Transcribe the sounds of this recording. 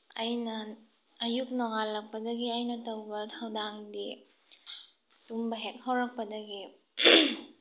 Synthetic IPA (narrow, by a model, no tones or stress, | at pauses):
ɐjnɐː | juk̚noŋalːɐk̚pɐdɐɡiajnɐtɐwbɐtʰawdaŋdi | tumbɐɦet̚hʰawɾɐk̚pɐdɐɡi